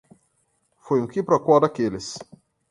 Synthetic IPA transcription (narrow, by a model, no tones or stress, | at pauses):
fojʊ̃kɪpɾɔkwɔd̪akelɪs